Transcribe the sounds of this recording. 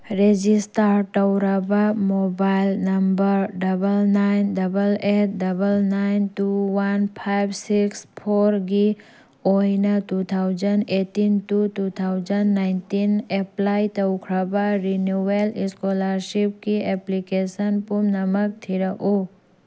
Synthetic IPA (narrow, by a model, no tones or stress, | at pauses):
ɾed͡ʒisʈaɾʈɐwɾabamobajlnɐmbəɾɖɐbəlnaɪnɖɐbəleʈɖɐbəlnaɪnt̪uwɐnpʰajbsikspʰoːɾɡi | oinat̪ut̪ʰawd͡ʒəneʈinʈut̪ut̪ʰawzənːaɪnt̪ineplajt̪ɐwkʰɾabaɾinuelɪskoləɾʃip̚kiɛplikesənpumnɐmək̚t̪ʰiɾəʔo